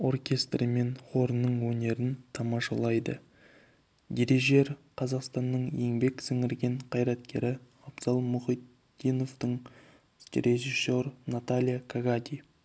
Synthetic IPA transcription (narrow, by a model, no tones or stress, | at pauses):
o̞rkʲe̞st̪rəme̞nχo̞ɾnːəɴwɵne̞ɾɪnt̪ʰɑmɑʃɑlˠɑjd̪ə̰ | d̪ʲe̞ɾe̞ʒe̞ɾqʰɑzɑqst̪ɑnːəɴje̞ŋbe̞ksɪŋɪɾɡʲe̞ɴqʰɑjɾɑt̪̚kʲe̞̰ɾɪ | ɑbzɑlˠmʊχijt̪ | d̪ijno̞ft̪əɴ | ɾeʒisːo̞rnat̪alʲijakʰaɡad̪ʲij